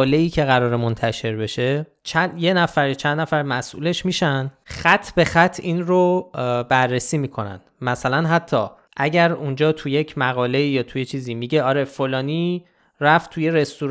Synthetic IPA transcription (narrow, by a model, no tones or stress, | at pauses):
le̞iːcʰe̞ɣæɾɒːɾemont̪ʰæʃe̞ɾbe̞ʃe̞ | t͡ʃʰænjenæfæɾt͡ʃʰænd̪næfæɾmæsʔṵle̞ʃmiːʃænd̪̥xæt̪ʰːbexæt̪ʰːiːnɾobærːesiːmiːkʰo̞næ̰nd̪̥mæsælænɦæt̪ʰːɒː | ʔæɟæɾund͡ʒɒːt̪ʰuje̞cʰmæɣɒːle̞iːjɒːt̪ʰuje̞t͡ʃʰiːziːmiɟe̞ɒːɾe̞folɒːniː | ræft̪t̪ʰuje̞ɾe̞st̪u